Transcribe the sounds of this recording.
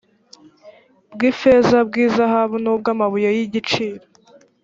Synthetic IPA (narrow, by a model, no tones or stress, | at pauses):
bɡiːfezab̚ɡiːzaɦaβunob̚ɡaːmaβujajiɟit͡ʃiːɾo